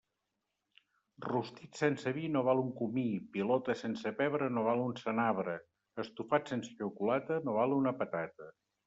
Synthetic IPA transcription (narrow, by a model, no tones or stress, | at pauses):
rust̪it̪sensəβinoβ̞alˠuŋkumipilɔt̪əsensəpɛβɾənoβ̞alˠunsənaβɾə | əst̪ufat̪sensə̥t͡ʃəwkulat̪ənoβalˠunəpət̪at̪ə